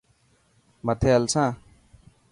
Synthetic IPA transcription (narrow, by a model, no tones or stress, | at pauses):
mɐt̪ʰeɐlsãː